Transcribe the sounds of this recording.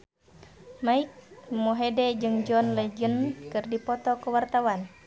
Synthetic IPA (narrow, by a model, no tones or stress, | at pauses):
maik̚moɦedɛd͡ʒɨŋd͡ʒɔnlɛd͡ʒənkɨrdipɔt̪ɔkuwart̪awan